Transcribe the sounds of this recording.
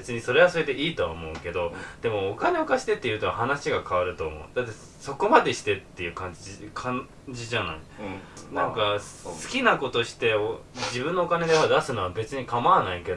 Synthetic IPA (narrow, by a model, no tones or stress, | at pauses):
bet͡sɨɲ̟iso̞ɾeβaso̞ɾed̪eʔiːt̪o̞a̰omo̞ɯ̟ke̞d̪o̞d̪̥e̞mo̞ːkaneokaɕi̥t̪e̞t̪ːe̞jɯ̟t̪oahanaɕiɡakaβaɾɯ̟t̪o̞ːmo̞̰ɯ̟d̪̥at̪ːe̞ | so̞ko̞mad̪e̞ɕi̥t̪e̞t̪ːe̞jɯ̟ːkãɲ̟d͡ʑikʰã | d͡ʑiʑana̰inãŋka | sɨ̥kʲinako̞t̪o̞ɕi̥t̪e̞od͡ʑibɯ̟̃nːo̞ːkane̞d̪eapːad̪asɨnoβabe̞t͡sɨɲ̟ikamaːnaike̞d̪o